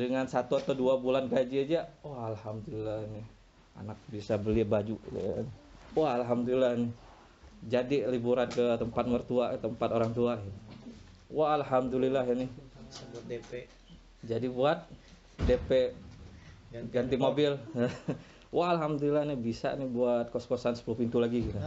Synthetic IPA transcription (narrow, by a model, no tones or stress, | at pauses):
dəŋansat̪uat̪awduabulanɡad͡ʒiad͡ʒawahalhamd̪ulilahnɪh | a̰nak̚bisabəliabad͡ʒua̰nwaɦalɦamd̪ulilːanɪ | d͡ʒadilibuɾankət̪əmpat̪̚mərt̪uat̪əmpat̪oɾaŋt̪uan | waːlɦamd̪ulilaɦanɪh | d͡ʒadibuat̪̚ | depeʔ | ɡant̪imobɪl | wʔaalɦamd̪ulilahnɪbisa̰nɪhbuat̪̚koskosansə̥pulupint̪ulaɡiɡit̪a